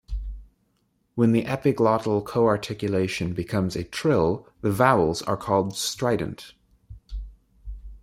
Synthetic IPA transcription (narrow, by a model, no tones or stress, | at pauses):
wə̃nðiʔɛpɪklɔɾl̩ˠkʰoʊɑɹtʰɪkjəleɪʃɨ̃nbɨkʰʌ̃mzɨtʰɹ̥ɪlˠðɨvaʊl̩ˠzə̰˞kʰɔlˠdstɹ̥aɪd̃ⁿn̩t